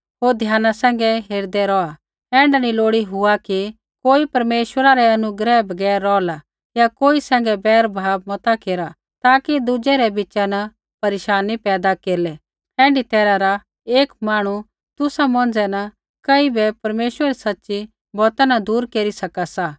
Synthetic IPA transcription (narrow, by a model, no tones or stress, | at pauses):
ɦoːɾd̪ʱjaːnasɛ̃ːŋ̆ɡɛɦeːɾd̪ɛɾɔa | ɛ̃ːɳɖaniloːɽiɦʊaki | koːipɐɾmeːʃwəɾaɾɛɐnʊɡɾɛbʱɐɡɛːɾːɔːla | jakoːisɛ̃ːŋ̆ɡɛbɛːɾbʱaːbmɐt̪akeːɾa | t̪aːkid̪ʊd͡ʒɛɾɛbɪt͡ʃanɐ | pɐɾeːʃaːnːipɛːd̪akeːɾlɛ | ɛ̃ːɳɖit̪ɛːɾaɾa | eːkmaːɽ̃u | t̪ʊsamɔ̃n̆d͡zɛnɐ | kɐibɛpɐɾmeːʃwəɾɛɾisɐtːʃi | bɔːt̪anad̪uːɾkeːɾisɐkasa